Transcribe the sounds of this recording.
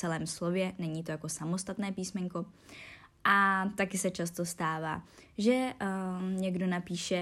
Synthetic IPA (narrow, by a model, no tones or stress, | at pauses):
t͡sɛlɛːmslo̞vjɛnɛɲiːt̪o̞jakosamo̞st̪at̪nɛːpiːsmɛɲko̞ | ʔat̪akɪsɛt͡ʃast̪o̞st̪aːva̰ːʒɛ | ɲɛɡdo̞napiːʃɛ